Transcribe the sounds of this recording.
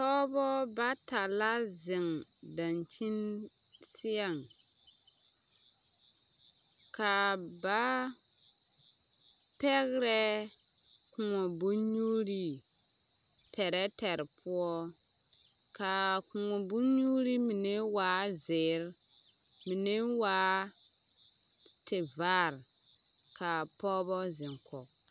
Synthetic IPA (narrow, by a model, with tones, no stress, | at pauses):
tɔ˦bɔ˦ba˦ta˨la˦zɪ˨ŋda˨nt͡ʃi˦n | si˦a˨ŋ | ka˨ba˦ | pɛ˦ɣɾɛ˦ | ku˨ŋɔ˨bu˦ɲu˦ɾi˦ | pʰɛ˨ɾɛ˦tɛ˨ɾpʰu˦ɔ˦ | ka˨kũ˨ŋɔ˨bu˦ɲu˦ɾi˦mi˨ne˦wa˨˦zɪ˨˦ɾ | mi˨ne˦waː˨˦ | tɪ˨va˦ɾ | ka˨pɔ˦bɔ˦zɪ̃˨ŋkʰɔ˨